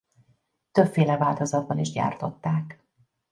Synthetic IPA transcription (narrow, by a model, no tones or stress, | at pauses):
t̪ø̞pfeːlɛvaːlt̪o̞zɒd̪̚bɒniʒɟa̰ːrt̪o̞t̪ːaːk